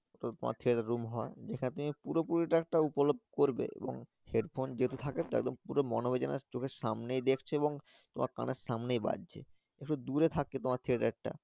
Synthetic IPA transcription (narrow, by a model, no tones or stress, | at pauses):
oʈat̪oma̰ɾt̪ʰiɾeʈaɾumɦɔed͡ʑekʰanet̪umipuɾopuɾiʈaɛk̚ʈaupolob̚koɾbḛḛbo̰ŋ | heɖfʰond͡ʑeɦt̪ut̪ʰaket̪oɛ̰ɡ̚d̪ompuɾomɔnobed͡ʑana̰t͡ɕokʰeɾʃamnejd̪ekʰt͡ɕʰeeboŋ | t̪omʔaɾka̰neɾʃamnejba̰dd͡ʑʰḛ | ekʈud̪uɾet̪ʰakːet̪omaɾt̪ʰiɾeʈak̚ʈa̰